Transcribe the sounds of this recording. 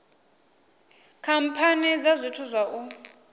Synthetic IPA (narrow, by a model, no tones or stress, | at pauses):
kʰam̩pʰanid͡zazʷitʰuzʷwaʔu